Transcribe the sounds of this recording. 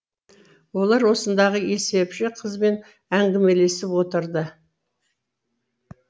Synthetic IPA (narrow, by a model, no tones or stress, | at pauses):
wo̞lˠɑɾwo̞sənd̪ɑʁəe̞se̞pʃɪqʰəzbe̞n | æŋɡʲɪme̞le̞sɪpwo̞t̪əɾd̪ə